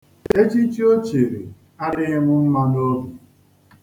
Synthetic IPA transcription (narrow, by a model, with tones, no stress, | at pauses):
e˦t͡ʃi˦t͡ʃi˦o˦t͡ʃe˨ɾe˨ | a˦ɾdɪ˦ŋʷʊ˦m̩˦ma˦do˦bu˨